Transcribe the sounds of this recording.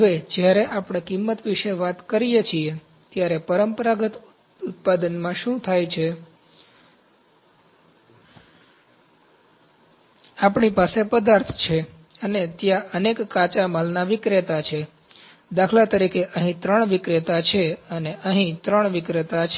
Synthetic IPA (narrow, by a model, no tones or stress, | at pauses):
ɦəʋed͡ʒjaɾeʔapɳ̃ẽkimːət̪ʋiʃeʋat̪kəɾijet͡ʃʰie | t̪jaɾepəɾəmpəɾaɡət̪ | ut̪̚pad̪ənmãʃũt̪ʰajt͡ʃʰe | apɳipasepəd̪aɾt̪ʰt͡ʃʰe | ənet̪jãʔənekːat͡ʃamalnaʋɪkɾet̪at͡ʃʰe | d̪akʰlat̪əɾikʰeʔəɦĩt̪ɾəɳ̃ʋɪkɾet̪at͡ʃʰeəneʔəɦĩt̪ɾəɳʋɪkɾət̪at͡ʃʰe